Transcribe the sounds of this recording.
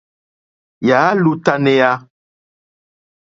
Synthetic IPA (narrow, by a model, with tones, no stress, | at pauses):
ja˨˦lu˦ta˧ne˨˦ja˧